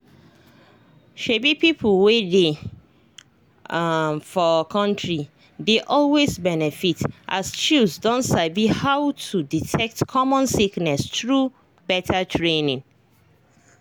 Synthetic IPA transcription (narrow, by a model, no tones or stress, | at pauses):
ʃebipipʰlwede | fɔkʰɔ̃ntɹi | deʔɔlwezbɛnɛfitʔa̰st͡ʃusdɔ̃ntsavihawtʰuditʰɛk̚tkʰɔmɔ̃nsiknɛstɹu | bɛtʰatʰɹẽnĩŋ